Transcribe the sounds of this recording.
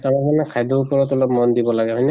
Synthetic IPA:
taɹɔmanɛkʰajdoupɔɹɔtɔlɔpmɔndibɔlaɡɛɦɔjnɛ

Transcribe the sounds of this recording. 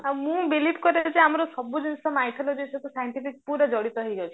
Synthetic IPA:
mũbilibkɔɾed͡ʒeamɔɾɔsɔbud͡ʒinsɔmajt̪ʰɔlɔd͡ʒisek̪usajɳʈipikpuɾɔd͡ʒɔɽit̪ɔɦəjd͡ʒawt͡ʃʰi̥

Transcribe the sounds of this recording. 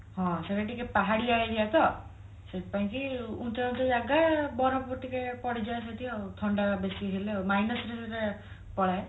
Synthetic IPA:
ɦɔ̃sekeʈikepaɦaɽiajd̪iat̪ɔ | set̪ipaĩkiũnt̪ɔũnt̪ed͡ʒaɡabɔɾɔpɔt̪ikepɔɽid͡ʒaes̬et̪iɔt̪ʰɔɳɖabesiɦelemajnɔsɾeset̪e | pɔɽae

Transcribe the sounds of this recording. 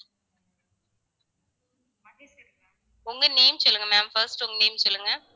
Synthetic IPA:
ʊŋɡɐneːmsɔlːɯŋɡɐmaːmfɐɾsʈʊŋɡɐneːmsɔlːɯŋɡɐ

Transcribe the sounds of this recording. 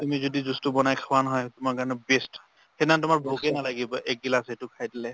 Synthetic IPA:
tumizɔdizustubɔnajkʰawanɔɦɔjtʊmaɹkaɹɔnɛbest | hɛnantʊmaɹbʱoɡɛnalaɡibɔʔɛk̚dilasetʊkʰajdilɛ

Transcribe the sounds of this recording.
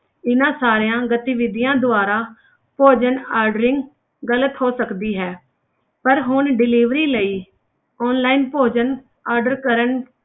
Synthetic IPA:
ɪnãːsaːɾejãːɡət̪iːʋɪd̪ɪjãːd̪ʊaːɾaː | poːd͡ʒənaːɾɖəɾɪ̃ŋɡ | ɡələt̪ɦoːsəkd̪iːɦɛː | pəɾɦʊɳɖɪliːʋɾiːləiː | ɔːnlaːinpoːd͡ʒən | aːɾɖəɾkəɾən

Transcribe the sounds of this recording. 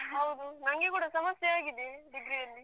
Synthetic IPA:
ɦɐwd̪unɐŋɡekuːɽɐsɐmɐsjeaːɡid̪eɖiɡɾijɐlːi

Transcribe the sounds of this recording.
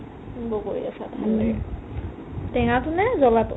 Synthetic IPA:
bɔkoɹḭasat̪ʰanɛɹ | tɛŋatunɛzɔlat

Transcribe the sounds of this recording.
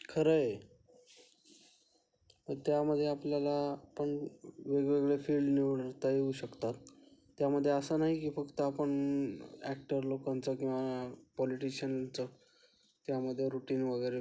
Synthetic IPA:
kʰəɾəj | t̪əɾt̪jaməd̪ʱːjeapljalaːpəɳʋeɡʋeɡɭefilɖniʋɳaɾt̪əjeuːɕəkt̪at̪ː | jaməd̪ʱːjeəsənaɦikiːfəkt̪əapəɳ | æk̚ʈəɾlokant͡səkĩw̃ʋapɔliʈiɕənt͡sə | t̪jaməd̪ʱːjeɾuʈiːnʋəɡəjɾe

